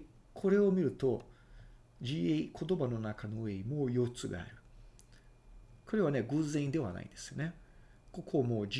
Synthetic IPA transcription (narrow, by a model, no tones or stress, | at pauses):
kʰo̞ɾe̞o̞mʲiɾɯ̟t̪o̞ | d͡ʑieikʰo̞t̪o̞bano̞nakano̞ɯe̞imoːjo̞t͡sɨɡa̰a̰ɾɯ̟ | ko̞ɾe̞βaneɡɯ̟zẽĩnd̪e̞βa̰na̰ḭ̃nd̪e̞sɨjo̞ne̞ko̞kʰo̞moːd͡ʑ